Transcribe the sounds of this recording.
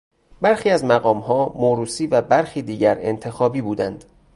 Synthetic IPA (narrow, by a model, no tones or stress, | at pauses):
bæɾxiːæzmæɣɒːmhɒːmoːɾuːsiːvæbæɾxiːd̪iːɟæɾe̞̰nt̪ʰe̞xɒːbiːbuːd̪ænd̪̥